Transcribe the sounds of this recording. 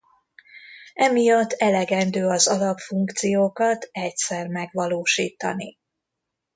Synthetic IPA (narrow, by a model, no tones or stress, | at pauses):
ɛmijɒt̪ːɛlɛɡɛnd̪øːɒzɒlɒpfuŋkt̪sijoːkɒt̪ɛcsɛrmɛɡʋɒloːʃiːt̪ɒ̰ni